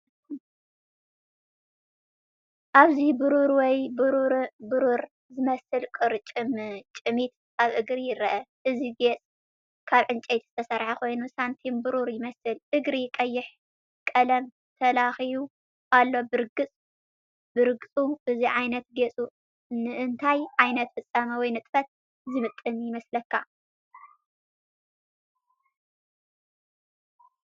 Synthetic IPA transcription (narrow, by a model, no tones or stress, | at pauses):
ʔaβzibɨɾuɾwɔjbɨɾuɾbɨɾuɾ | zɨmɐsɨlkʼɨɾt͡ʃʼɨmt͡ʃʼɨmit̪ | aβʔɨɡɾijɪɾɐʔɐʔɨziɡet͡sʼ | kʰaβʕɨnt͡ʃʼet̪z̥ɨt̪ʰɐsɐɾħakʰo̞jnusant̪ʰimbɨɾuɾjɪmɐsɨlʔɨɡɾijɪkʼɐjːɪħ | kʼɐlɐm | t̪ʰɐlaxiju | ʔalːo̞bɨɾɨɡɨt͡sʼ | bɨɾɨɡɨt͡sʼuʔɨziʕajnɐt̪̚ɡet͡sʼu | nɨʔɨnt̪ʰajʕajnɐt̪fɨsʼamɐwɔjnɨt̪ʼfɐt̪̚ | zɨmɨt̪ʼːɨnjɪmɐslɐkːa